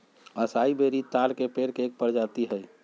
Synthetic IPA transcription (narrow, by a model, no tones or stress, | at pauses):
əsaibeɾit̪alkepeɾkeːk̚pəɾd͡ʒat̪iɦəj